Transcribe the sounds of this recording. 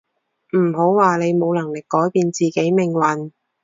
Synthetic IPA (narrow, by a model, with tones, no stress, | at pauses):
m̩˨˩ɦo˨˥wwaː˨le˨˧jmo˨˧wlɐ˨˩ŋlɪ˨kːɔː˨˥jpiː˧nt͡siː˨ke˨˥jmɪ˨ŋwɐ˨n